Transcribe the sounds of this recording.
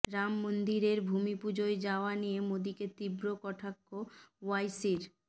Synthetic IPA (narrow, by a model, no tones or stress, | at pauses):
ɾamːond̪iɾeɾbʱumipud͡ʑoed͡ʑaoanijemod̪iket̪ibɾokɔʈʰakːowajsiɾ